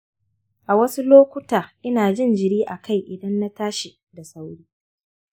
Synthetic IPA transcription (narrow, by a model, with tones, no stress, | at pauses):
ʔa˨wɐ˦su˦loː˦kʷʊ˦taː˨ʔɪ˦naː˨d͡ʒɪ˦˨nd͡ʒɪ˨ɽiː˦ʔa˨kʰa˦˨jʔɪ˨dɐ˦nːa˦taː˦ʃi˨ | da˨sa˦wɽiː˦